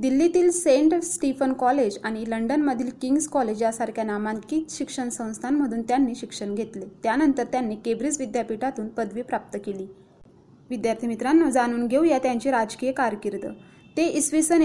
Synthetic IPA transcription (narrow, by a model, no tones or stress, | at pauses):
d̪ilːit̪iːlseɳʈsʈifənkɔled͡ʑaɽ̃iləɳɖənməd̪ʱiːlkiŋɡskɔled͡ʑjasaɾkʰjanamãnt̪kit͡s̪ɕikʂəɳsə̃w̃st̪ʰanm̤əd̪ʱuːnt̪janːiːɕikʂəɳɡʱet̪let̪janənt̪əɾt̪janːeːkebɾid͡zʋid̪japiʈat̪uːnpəd̪ʋiːpɾap̚t̪əkeliː | ʋid̪jaɾt̪ʰimit̪ɾanːɔd͡zañuːnɡʱeujat̪jaɲt͡ɕiɾad͡ʑkijəkaɾkiɾd̪ə̰ː | t̪eʔisʋisən